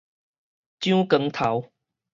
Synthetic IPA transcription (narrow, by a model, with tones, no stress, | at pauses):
t͡ɕjũ˦kə˧˥ŋt̪ʰa˨˦w